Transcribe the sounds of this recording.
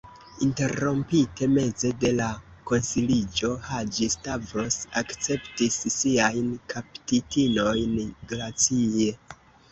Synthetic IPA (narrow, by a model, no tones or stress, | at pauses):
inte̞ɾo̞mpite̞me̞ze̞de̞lako̞nsilid͡ʒo̞had͡ʒistavɾo̞sakt͡se̞ptisːiajnkʰaptitino̞jnɡɾat͡sie̞